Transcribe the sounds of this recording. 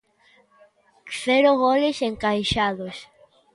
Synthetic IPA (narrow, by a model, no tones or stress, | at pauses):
θeɾoɣoleseŋkajʃaðos